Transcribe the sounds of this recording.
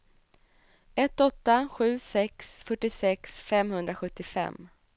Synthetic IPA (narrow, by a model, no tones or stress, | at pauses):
ɛt̪ːɔt̪ːaɧʉ̟ːsɛksfœʈːɪsɛksfɛmhɵnd̪ɾaɧɵt̪ːɪfɛ̰mː